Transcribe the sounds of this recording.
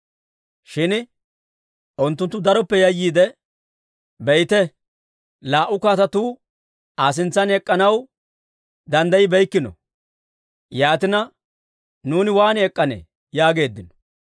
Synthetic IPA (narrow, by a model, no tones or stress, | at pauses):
ʃɪn | ʔʊnt̪ːʊnt̪ːʊd̪ɐɾɔpːɛjɐjːiːd̪ɛ | bɛjt̪ɛ | laːʔʊkaːt̪ɐt̪uː | aːs̬ɪnt͡sːɐnɛkʼːɐnɐw | d̪ɐnd̪ɐjɪbɛjkːɪnɔ̰ | jaːt̪ɪnɐ | nuːnɪwaːnɪɛkʼːɐnḛː | jaːɡe̞ːd̪ːɪnɔ̥